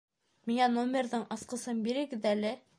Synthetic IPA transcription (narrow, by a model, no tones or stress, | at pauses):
miŋænomʲerðɤɴɑsqɤ̆sɤmbiɾɘ̆ɡɘðælɘ